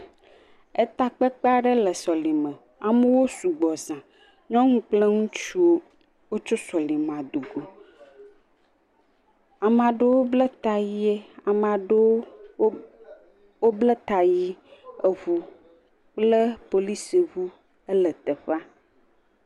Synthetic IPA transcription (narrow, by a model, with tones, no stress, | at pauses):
e˦t̪a˦k͡pe˦k͡pa˦ɖə˦lə˨sɔ˨li˨mə̃˨ | a˨mə˦wo˦su˨ɡ͡bɔ˨zã˨ | ɲɔ̃˦ŋũ˦k͡plə˦ŋũ˦t͡ʃu˦o˦ | wo˦t͡ʃo˦sɔ˨li˨mã˨d̪u˨ɡo˨ | a˨mã˨ɖe˦wo˦blə˦t̪a˨ji˦e˦a˨mã˨ɖe˦wo˦ | wo˦blə˦t̪a˨ji˦e˨βu˨ | k͡plə˦po˨li˦se˨βu˦ | ə˦lə˨t̪ə˨ɸa˦